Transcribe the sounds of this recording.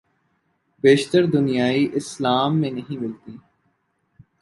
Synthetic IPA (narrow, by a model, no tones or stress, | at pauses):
beːʃt̪əɾd̪ʊnijaːiʔɪslaːmːẽnɐɦĩmɪlt̪iː